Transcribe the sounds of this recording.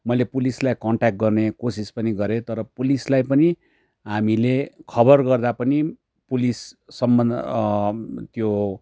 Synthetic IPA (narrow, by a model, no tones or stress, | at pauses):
mʌjlepulislajkʌɳʈak̚ʈ̚ɡʌrnekosispʌniɡʌɾet̪ʌɾʌpulislajpʌni | ɦamilekʰʌbʌrɡʌrd̪apʌni | pulisːʌmbʌn | t̪jo